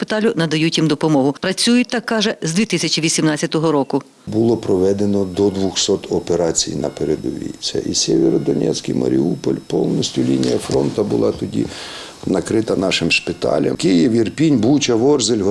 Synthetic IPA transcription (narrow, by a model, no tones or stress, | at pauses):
pɪt̪ɑlʲʊnɐd̪ɐjutʲimd̪ɔpɔmɔɦʊpɾɐt͡sʲujʊt̪ːɑkːɑʒɛzd̪ʲit̪ɪsʲɐt͡ʃiʋʲisʲimnɑt͡sʲːɐt̪ɔɦɔɾɔkʊ | bʊlˠɔpɾɔʋɛd̪enɔd̪ɔd̪ʋʊxsɔt̪ɔpeɾɑt͡sʲḭjnɐ̰peɾed̪ʊʋʲḭsʲɐ̰ʔisʲɛʋʲeɾɔd̪ɔnʲɛ̰t͡sʲkɪjmɐ̰ɾʲiupɔlʲpɔwnɔsʲtʲʊlʲinʲijɐfɾɔnt̪ɐbʊlˠɑt̪ɔdʲḭ | nɐkɾɪt̪ɐnɑʃɪmʃpɪt̪ɑ̰lʲɐ̰mkɪjewirpʲinʲbut͡ʃɐʋɔrzelʲɦ